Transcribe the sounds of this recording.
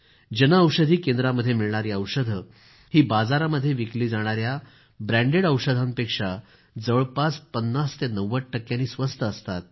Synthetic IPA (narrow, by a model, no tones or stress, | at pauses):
d͡ʑənaəwʂəd̪ʱiːkẽnd̪ɾaməd̪ʱːjemiɭɳ̃aɾiːəwʂəd̪ʱə | hiːbad͡zaɾaməd̪ʱːjeʋikliːd͡zaɽ̃aɾja | bɾæ̃ɳɖeɽəwʂəd̪ʱampekʂa | d͡zəʋɭpaspənːast̪enəʋːəʈʈːəkːjãniːsʋəst̪əəst̪at̪̚